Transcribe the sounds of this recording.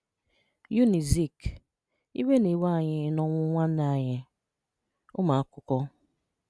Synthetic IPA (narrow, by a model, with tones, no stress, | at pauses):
ju˦ni˨zi˦˨k | ḭ˦we˦ne˨wa˦˨ɲɪ˦nɔ˦ŋʷʊ˦ŋʷa˦na˨ɲɪ˦ | ʊ˦ma˨a˦kʊ˨kɔ˦